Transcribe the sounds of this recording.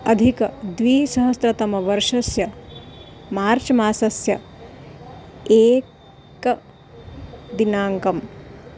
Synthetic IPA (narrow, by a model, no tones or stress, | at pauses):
ɐd̪ʱikɐd̪ʋiːsɐɦɐst̪ɾɐt̪ɐmɐʋɐɾʂɐsjɐ | maːɾt͡ʃɐmaːsɐsjɐ | eːk | k | d̪inaːŋkɐm